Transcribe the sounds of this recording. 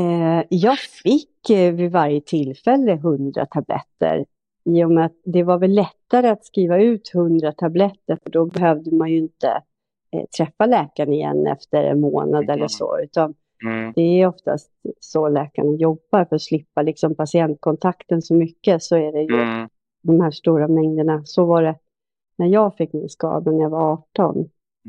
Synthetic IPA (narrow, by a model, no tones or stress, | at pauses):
jɑːɡfɪkːvɪvaɾjət̪ʰɪlːfɛlːəɦɵnd̪ɾa̰t̪ʰablɛ̰t̪ːə̰ɾ | iːjʊmɛat̪̚d̪ɛvaɾvɛlːɛt̪ːaɾəat̪skɾiːvaʉ̟ːt̪hɵnd̪ɾat̪ʰablɛt̪ːəɾfœɖɔbɛɦøːvd̪əmanjɵɪnt̪ə̰ | t̪ʰɾɛfːalɛːkaɳɪjɛ̰nːɛ̰ft̪əɾɛ̰nmo̰ːnad̪ɛlːəʂɔ̰ʉ̟ːt̪an | d̪̥ɛːɾjɔft̪a̰st̪sɔlɛːka̰ɳənjɔbːaɾfœɾat̪ʂlɪpːalɪksɔmpʰasɪɛnt̪̚kʰɔnt̪ʰakt̪ənsɔmʏkːəsɔæɖɛjɵ̰ | d̪ɔmhæːʂʈuːɾamɛŋd̪əɳasɔvaɖɛ | næɾjɑːɡfɪkːmɪnskɑ̰ːd̪anæɾjɑvaɾɑːʈɔ̰n